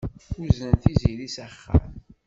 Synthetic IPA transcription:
ʊzənθiziɾisæχːə̰m

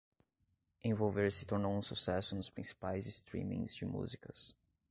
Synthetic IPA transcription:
ẽvowveɾsɪ̥t̪oɾnowũsusɛsʊnʊspɾĩsi̥pajzɪst̪ɾḭ̃mḭ̃zd͡ʒɪmṵzikɐ̰s

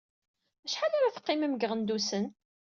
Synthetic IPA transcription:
æʃħalæɾæθə̥qːɪməmɡəʁənd̪usən

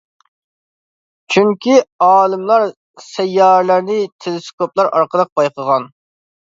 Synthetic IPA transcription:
t͡ʃʰyŋkʲiɑːlˠɨmlˠɑɾ | sɛjːɑːɾlæɾnɪt̪ʰelɪskʰoplˠɑɾʔɑ̰ɾqəd̪əq̚b̥ɑjqʰəʁɑn

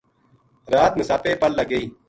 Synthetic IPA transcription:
ɾaːt̪məsaːpeːpəlləɡəiː

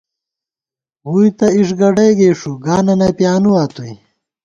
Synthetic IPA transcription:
ɣujt̪ɐiʂɡɐɖejɡeːʂuɡaːnɐnɐpjaːnuaːt̪uj

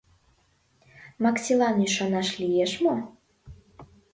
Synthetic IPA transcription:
mɑksʲilɑnyʃɑnɑʃlijeʃmo

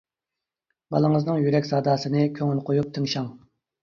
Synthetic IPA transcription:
bɑ̰lˠəŋəznɨŋjyɾɛkʲsɑːd̪ɑːsɨnɨkʲʰøŋylqʰojup̚t̪ʰɨŋʃɑŋ

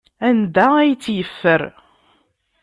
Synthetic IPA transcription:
ænd̪ææjt͡sːjəfːəɾ

